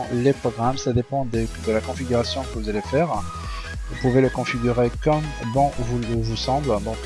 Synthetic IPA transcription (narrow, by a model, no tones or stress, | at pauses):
lepχɔɡʁamsad̪epɑ̃d̪ed̪əlakɔ̃fiɡʲyʁasjɔ̃kəvuzalefɛːʁ | vupuveləkɔ̃fiɡʲyʁekɔmbɑ̃vulvusɑ̃bld̪ɔ̃k